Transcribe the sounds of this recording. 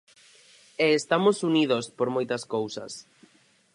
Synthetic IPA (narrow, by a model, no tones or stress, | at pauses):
eːst̪amosuniðospoɾmojt̪ɐskowsɐ̰s